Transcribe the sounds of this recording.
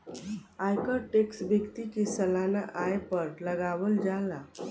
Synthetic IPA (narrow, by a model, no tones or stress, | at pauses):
ajkəɾʈeksbjəkt̪ikisəlanaʔajpəɾləɡaʋəld͡zala